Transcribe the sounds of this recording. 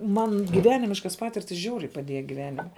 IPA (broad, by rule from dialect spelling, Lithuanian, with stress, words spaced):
ˈmɐn ɡʲɪˈʋʲæːnʲɪmʲɪʃkɐ ˈpɑːtʲɪrʲtʲɪs ˈʒʲɛʊrʲɛɪ pɐˈdʲeːjɛ ɡʲɪˈʋʲæːnʲɪmʲɛ